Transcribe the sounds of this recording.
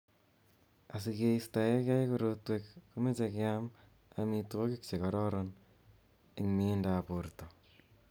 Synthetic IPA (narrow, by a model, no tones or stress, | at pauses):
asikeistajekjajkoɾotwekːumet͡ʃekjam | amitokik̚t͡ʃekɔɾɔɾɔn | iŋmendaporto